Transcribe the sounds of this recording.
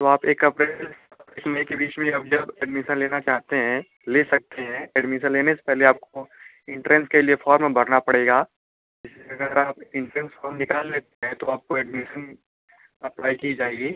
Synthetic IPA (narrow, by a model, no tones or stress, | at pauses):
t̪oaːpeːkɐpɾel | eːkmekebiːt͡ʃmẽɐb̚d͡ʒɐbɛːɖmɪʃə̃nleːnat͡ʃaːɦt̪eɦɛ̃ | leːsɐk̚t̪eɦɛ̃ɛːɖmɪʃ̬ə̃nleːnese̥pɛɦleaːp̚ko | ɪ̃ɳʈɾɛ̃nskeliefɔːɾmẽbɐɾnapɐɽeːɡaː | d͡ʒɪsleɐɡəɾaːpɪ̃ɳʈɾɛ̃nsfɔːɾmnɪkaːlːeːt̪eɦɛ̃t̪oaːp̚koɛːɖmɪʃən | ɐplaːikid͡ʒaːeːɡiː